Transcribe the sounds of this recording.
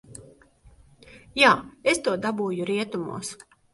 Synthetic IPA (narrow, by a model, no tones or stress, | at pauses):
jaːest̪uɔd̪abuːjuɾiɛt̪umṵːs